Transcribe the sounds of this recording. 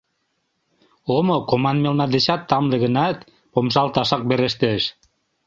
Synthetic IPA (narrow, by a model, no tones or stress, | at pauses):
omokomɑnmelnɑd̪eɕɑt̪ːɑmlĕɣə̆nɑt̪ | pomʃ̬ɑlt̪ɑʃɑk̚beɾeʃt̪eʃ